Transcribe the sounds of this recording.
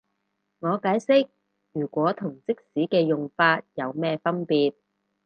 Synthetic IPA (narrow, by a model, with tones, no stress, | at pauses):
ŋɔː˨˧kaː˨˥jsɪ˥k̚ | jyː˨˩kʷɔː˨˥t̪ʰʊ˨˩ŋt͡sɪ˥k̚siː˨˥kɛː˧jʊ˨ŋfaː˧t̚jɐ˨˧wmɛː˥fɐ˥npiː˨˧t̚